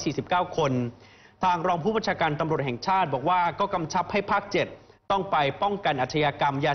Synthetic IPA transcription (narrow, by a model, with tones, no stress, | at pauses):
siː˨˩si˨˩p̚kaː˥˩wkʰo˧n | t̪ʰaː˧ŋɾɔː˧ŋpʰu˥˩baː˧nt͡ɕʰaː˧kaː˧nt̪a˧mɾu˨˩ət̪̚hɛ˨˩ŋt͡ɕʰaː˥˩t̪̚bɔː˨˩k̚waː˥˩kɔː˥˩ka˧mt͡ɕʰa˦˥p̚ha˥˩jpʰaː˥˩k̚t͡ɕe˨˩t̪̚ː | ɔ˥˩ŋpa˧jpɔ˥˩ŋka˧nʔaː˨˩t̪ʰːa˧jaː˧ka˧mjaː˧